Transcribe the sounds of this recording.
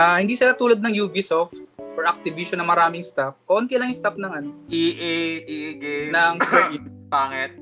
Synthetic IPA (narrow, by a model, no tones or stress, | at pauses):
ʔahɪnd̪iːsɪlat̪uːlɐd̪̚nɐŋjuːbisoft̪̚ʔoɹʔɐk̚t̪ɪviʃonɐmɐɾaːmɪŋst̪afkoʔont̪ɪlɐŋɪst̪afnɐŋɐno̞ʔiʔeʔiɡenɐŋbɐɡpaːŋɛt̪̚